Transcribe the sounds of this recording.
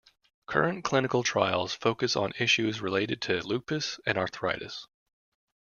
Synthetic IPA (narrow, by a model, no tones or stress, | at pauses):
kʰɜ̰˞ɨ̃nkʰl̥ɪ̃nɨkl̩ˠtʰɹ̥a̰ɪlˠz̥foʊkɨsn̩ɪʃʉzɹɨleɪɾɨd̚tʰɨlʉpɨsɨ̃nɑɹθəɹaɪɾɨ̰s